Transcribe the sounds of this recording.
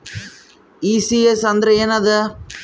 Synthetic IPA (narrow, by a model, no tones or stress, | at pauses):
isiesɐnd̪ɾɐenɐðɐ